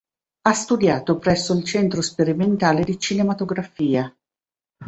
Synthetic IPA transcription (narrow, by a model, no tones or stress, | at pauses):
ast̪ud̪jaːt̪opɾɛsːoilt͡ʃɛnt̪ɾospeɾiment̪aːled̪it͡ʃinemat̪oɡɾafiːa